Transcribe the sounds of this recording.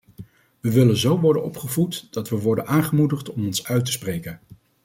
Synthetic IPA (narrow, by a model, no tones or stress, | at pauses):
ʋəʋɪlənzowʋɔɹdənɔpχəvutd̥ɑtʋəʋɔɹdənʔaːnχəmudəχtɔmɔnsœɥtə̥sprejkən